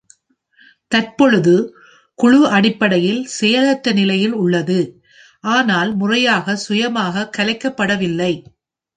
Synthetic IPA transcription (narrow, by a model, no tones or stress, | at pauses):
t̪ɐrpɔɻɯðɯ | kʊɻʊɐɽɪpːɐɽɐjɪlsɛjɐlɐʈːɐnɪlɐjɪlʊɭːɐðɯ | ʔaːnaːlmʊrɐjaːɣɐsʊjɐmaːɣɐkɐlɐɪkːɐpːɐɽɐʋɪlːɐɪ